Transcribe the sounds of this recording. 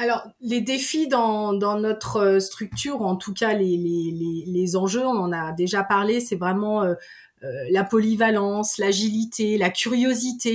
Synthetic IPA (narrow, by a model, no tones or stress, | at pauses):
alɔʁ | led̪efid̪ɑ̃d̪ɑ̃nɔt̪χøst̪χyk̚t̪ʰyːʁɑ̃t̪ʰukʲalelelelezɑ̃ʒøɔ̃nɑ̃nad̪eʒapaʁlesɛvʁɛmɑ̃ø | ølapɔlivalɑ̃slaʒilit̪elakʲyʁjozit̪e